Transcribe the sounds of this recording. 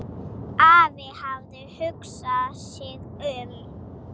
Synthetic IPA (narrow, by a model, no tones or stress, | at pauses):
aːðɪhavðʏhʏksasɛðœːɣɪ